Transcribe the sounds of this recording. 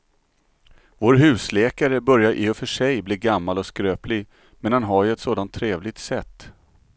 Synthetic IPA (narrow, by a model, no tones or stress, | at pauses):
voːɾɦʉ̟ːslɛːkaɾəbœɾjaɾʔɪɔfœʂɛjblɪːɾɡamːalɔskɾøːplɪɡ | mɛnhanɦaɾjɵɛt̪soːd̪ant̪ʰːɾeːvlɪɡ̚t̪sɛt̪ː